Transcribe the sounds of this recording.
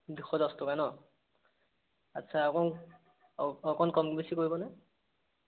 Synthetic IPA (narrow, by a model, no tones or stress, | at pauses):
dixɔzɔstɔkanɔ | a̰tːsʰakɔn | ɔkɔnkɔmbisikoɹibɔnɛ